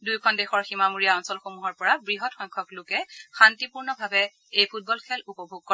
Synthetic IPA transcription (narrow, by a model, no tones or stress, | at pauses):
dujkʰɔndexɔɹximamuɹijaɔnsɔlxomuɦɔɹpɔɹabɹiɦɔtxɔŋkʰɔklʊkɛxantipuɹnɔbʱabɛ | ejpʰut̚bɔlkʰɛlupɔbʱoɡ̚kɔ